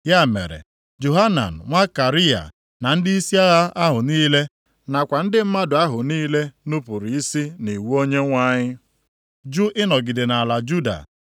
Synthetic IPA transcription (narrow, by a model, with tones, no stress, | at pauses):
ja˦˨mḛ˨ɾḛ˨ | d͡ʒo˨ɦa˦na̰˨n̩˨ŋʷa˦ka˨ɾi˦a̰˨ | na˨n̩˦dɪ˦i˦si˦a˦ɣa˦a˦ɦʊ˨niː˦le˦ | na˨kʷa˨n̩˦dɪ˦m̩˦ma˦dʊ˨a˦ɦʊ˨niː˦le˦nu˦pu˨ɾi˨i˦si˦ni˨wu˦o˦ɲe˦ŋʷa˦ɲɪ˦ | d͡ʒu˦ʔɪ˦nɔ˨ɡɪ˨dɪ˨na˨la˨d͡ʒu˦da̰˨